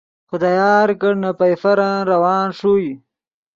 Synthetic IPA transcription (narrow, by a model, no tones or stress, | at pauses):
xʊd̪ajɑːɾkəɽnapajfaɾanɾawɑːnʂuj